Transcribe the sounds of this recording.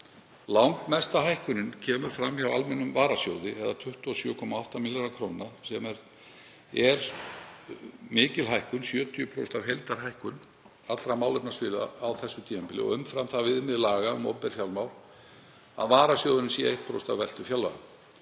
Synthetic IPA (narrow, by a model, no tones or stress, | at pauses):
lawŋkmɛst̪ahajhkʏnɪncʰɛːmʏɾ̥fɾamçawa̰lmɛnːʏmvaːɾasjoːwðɪɛðat̪ʰʏht̪ʏɔsjœːkʰɔmaawht̪amiljaɾakʰɾoːwnːasɛmɛɾ | ɛɾ̥ | mɪːcɪlɦajhkʏnsjœːt̪ʰʏʏpʰɾo̰wst̪avɦelt̪aɾ̥ɦajhkʏn | at̪lɾamaːwlɛpnasfɪːlawθɛsːʏt̪ʰiːɛmpɪlɪ̰ɔ̰ʏmfɾamθavɪðmɪðlaːɣaʏ̰mɔ̰pɛɾ̥fjawlmawl | a̰vaːɾasjowðɪnnsiḛht̪pʰɾo̰wst̪avvɛlt̪ʏfjawlːa̰a